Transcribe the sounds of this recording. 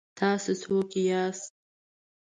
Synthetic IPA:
tʰaːsɨtʰwakʲʼijasʼ

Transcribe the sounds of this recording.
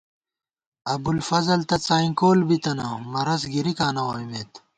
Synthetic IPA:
ɐbulfɐzɐlt̪ɐt͡saːikoːlbit̪ɐnɐmɐɾɐs̬ɡiɾikaːnɐwoːjmeːt̪

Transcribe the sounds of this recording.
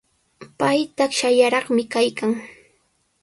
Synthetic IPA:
pajt̪akʃajaɾɑχmɪkajkaŋ

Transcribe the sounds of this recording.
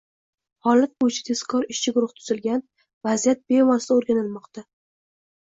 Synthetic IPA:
hɒlat̪̚bojɪt͡ʃʰḁt̪ʰe̞skʰɒɾɪʃt͡ʃʰɪɡʊɾʊht̪ʰʊ̥zɪlɡʲan | vazijat̪̚b̥e̞mɒsd̪aoɾɡʲanɪlmɒqt̪a

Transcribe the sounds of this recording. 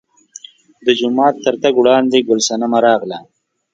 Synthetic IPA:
d̪əd͡ʒʊmɑːt̪ːəɾt̪aɡwɽɑːnd̪eɡʊlsanamaɾɑːɣla

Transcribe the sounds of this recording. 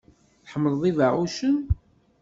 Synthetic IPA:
θħəmːəlðˤivəʕuʃən

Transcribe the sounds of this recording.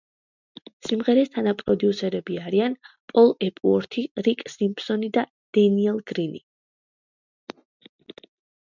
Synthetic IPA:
simʁɛɾɛst̪ʰanapʼɾɔd̪iusɛɾɛbiaɾianpʼɔlˠɛpʼuɔɾt̪ʰiɾikʼsimpsɔnid̪a | d̪̥ɛniɛlˠɡ̥ɾini

